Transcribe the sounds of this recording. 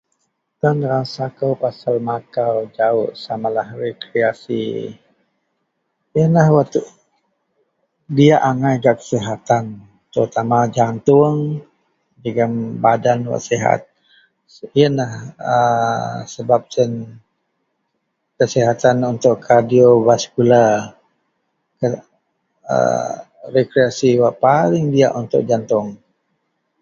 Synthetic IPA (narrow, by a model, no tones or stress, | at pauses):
t̪anəɾasakəwpasalmakawd͡ʒaʊʔsamalahrekɾeasḭ | jənlahwat̪uʔ | diaʔaŋajɡaʔkə̥siɦat̪an | t̪əɾut̪amad͡ʒant̪ʊəŋ | d͡ʒəɡambadanwa̰siɦa̰t̪̚ | iənahə | səbap̚sən | kəsiɦat̪anunt̪ʊʔkʰadiovaskula | kə | ə̰ | rekɾeasiwaʔpalɪŋdiaʔunt̪ʊ̰ʔ̚d͡ʒant̪ʊŋ